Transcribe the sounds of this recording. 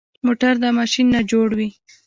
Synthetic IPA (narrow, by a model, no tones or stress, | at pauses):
moʈaɾd̪əmɑʃinːad͡ʒoɽwi